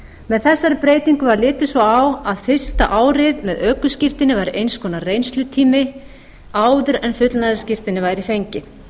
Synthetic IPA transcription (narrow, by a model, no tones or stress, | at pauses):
mɛðθɛsːaɾɪpɾeːjt̪iŋkʏvaɾlɪːt̪ɪsvɔawaðfɪr̥st̪aʔaːwɾɪjðmɛðœːkʏscɪr̥t̪ɪnɪvajɾʔejnskʰɔːnarejnst̪lʏt̪ʰiːmɪ | aːwðʏɾɛnfʏt̪lnaðɪscɪr̥t̪ɪnːɪvaːjɾifejɲcɪ